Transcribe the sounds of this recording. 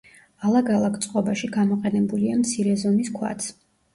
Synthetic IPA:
alˠaɡalˠakʰt̪sʼqʼɔbaʃiɡamɔqʼɛnɛbuliamt̪sʰiɾɛzɔmiskʰwa̰t̪sʰ

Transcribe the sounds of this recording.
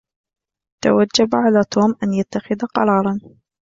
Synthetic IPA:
t̪a̰wad͡ʒːabʕalaːt̪ʰoːmʔanjat̪ːaxɪðaqɑ̰ɾˤɑːɾˤɑn

